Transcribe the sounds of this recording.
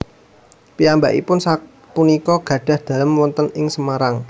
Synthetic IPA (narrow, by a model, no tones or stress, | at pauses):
piambaʔḭpʊnsa | punikɔɡ̥ä̤ɖ̥ä̤hd̪̥ä̤ləmwɔnt̪ənɪŋsəmaɾaŋ